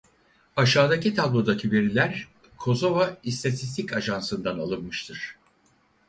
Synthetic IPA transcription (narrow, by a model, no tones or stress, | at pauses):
aʃaːd̪acit̪ʰablˠoɾd̪acʰive̞ɾilʲæɾ | kʰo̞zo̞vaist̪ʰat̪ʰist̪ʰicaʒansɯnd̪analˠɯnmɯʃt̪ʰɯɾ̥